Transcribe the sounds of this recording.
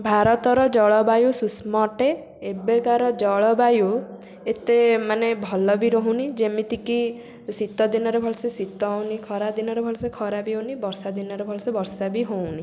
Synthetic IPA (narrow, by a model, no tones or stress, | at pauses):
bʱaɾɔt̪ɔɾɔd͡ʒɔɭɔbajususmɔʈe | ebekaɾɔd͡ʒɔɭɔbaju | et̪emanebʱɔlɔbiɾɔɦũnid͡ʒemit̪iki | sit̪ɔd̪inɔɾebʱɔɭsesit̪ɔwnikʰɔɾad̪inɔɾebʱɔlsekʰɔɾabiɦonibɔɾsad̪inɔɾebʱɔɭɔsebɔɾsabiɦowni